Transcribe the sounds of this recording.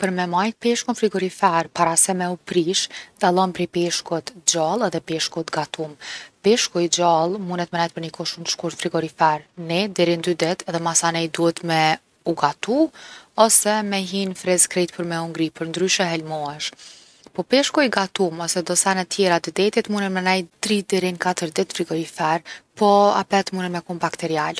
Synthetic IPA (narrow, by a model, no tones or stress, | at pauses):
pəɾmɛmajt̪̚pɛʃkunfɾiɡɔɾifɛɾpaɾasɛmɛupɾiʃd̪alˠɔnpɾipɛʃkɔt̪d͡ʑalˠɛðɛpɛʃkɔt̪ɡat̪ʰumpɛʃkɔjd͡ʑalˠmunɛt̪mɛnɛjt̪pəɾnikɔʃunʃkuɾt̪fɾiɡɔɾifɛɾnɛd̪ɛɾind̪yd̪ɛt̪ɛðɛmasanɛjd̪uɛt̪mɛ | uɡat̪uɔsɛmɛɦinfɾɛzkɾɛt̪̚pəɾmɛuŋɡɾipəɾnd̪ɾyʃɛɦɛlmɔɛʃ | pɔpɛʃkɔiɡat̪umɔsɛd̪ɔsanɛt̪jɛɾat̪əd̪ɛt̪it̪munɛt̪mɛnɛjt̪ɾid̪ɛɾinkat̪əɾd̪ɛt̪fɾiɡɔɾifɛɾpɔa̰pɛt̪munɛnmɛkumbakt̪ɛɾial